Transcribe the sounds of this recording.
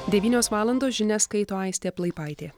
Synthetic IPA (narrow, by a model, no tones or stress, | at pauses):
d̪ʲɛʋʲiːnʲoːsʋɑːlˠɐnd̪oːsʒʲɪnʲɛskɐɪt̪oːɐɪsʲt̪ʲeːplˠɐɪpɑˑɪt̪ʲeː